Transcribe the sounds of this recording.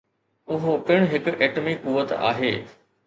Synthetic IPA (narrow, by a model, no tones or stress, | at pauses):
ʊɦopɪɽ̃ɦɪkʊʔeːʈmikuʋət̪a̰ːɦeː